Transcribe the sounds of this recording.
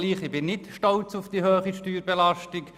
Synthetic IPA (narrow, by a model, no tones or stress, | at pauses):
liːχɪb̥ɪnːɪtʃtɔlt͡sʊfd̥iɦøːχiʃtyːɾbɛlaʃtɪk